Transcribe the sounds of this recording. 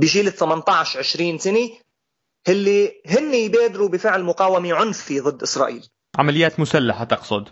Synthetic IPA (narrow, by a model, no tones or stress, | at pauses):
bɪʒiːlɪt̪ːamant̪ˤɑːʕʃʕɪʃɾiːnsɪni | hɪlːihɪnːijbeːd̪ɾubɪfɪʕlmʊqaːwamiʕʊnfiðˤɨd̪ːʔɪsɾˤɑ̰ːʔiːl | ʕa̰malɪjaːt̪mʊsalːaħat̪ɑqsˤʊd̪